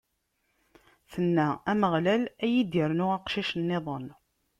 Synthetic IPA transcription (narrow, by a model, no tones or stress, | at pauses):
θənːææməʁlælæjid̪əɾnʊʁæqʃiʃənːeðˤən